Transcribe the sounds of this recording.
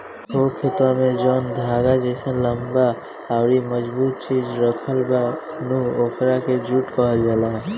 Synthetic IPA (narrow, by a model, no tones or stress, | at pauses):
okʰet̪wamed͡ʒɔːnd̪ʱaɡad͡ʒɛsə̃ləmbaː | ʊɾiməd͡ʒbuːt̪̚t͡ʃid͡ʒɾəkʰəlbakʰnuoːkɾaked͡ʒuʈkəɦəld͡ʒalaɦ